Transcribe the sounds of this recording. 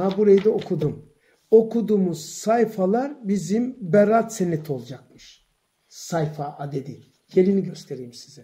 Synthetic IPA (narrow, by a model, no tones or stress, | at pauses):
abuɾajid̪ɛokʰud̪um | o̞kʰud̪uːmuz̥sajfalˠaɾbizimbɛɾat̪senet̪ʰo̞lˠd͡ʒakmɯʃ | sajfaʔad̪e̞d̪i | jelʲiniɟøst̪ʰe̞ɾijimsi̥zɛ